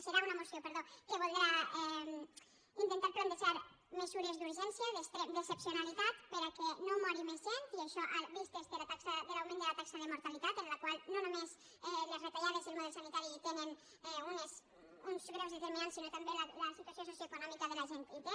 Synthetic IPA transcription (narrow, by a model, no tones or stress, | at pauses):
seɾaunamosjopeɾðokeβold̪ɾaɛm | int̪ent̪aɾpɾond̪et͡ʃaɾ | mesuɾezd̪uɾʒensjaðest̪ɾed̪esepsjonalit̪at̪peɾakenomɔɾimezʒent̪ieʃɔʔaβist̪ezd̪elat̪aksaðelawmẽnd̪elat̪aksaðemoɾt̪alit̪at̪ẽnlakwalnonomes | ɛlezret̪aʎaðesielmoðelsanit̪aɾit̪enen | ɛunes | unzɣɾawzðet̪eɾmĩnansinot̪ambelalasit̪uwasjonsosjoekonɔmikað̞elaʒent̪it̪e